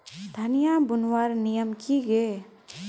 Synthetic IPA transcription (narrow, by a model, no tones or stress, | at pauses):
d̪ʱənijabʊnwaːɾnijəmkiɡeː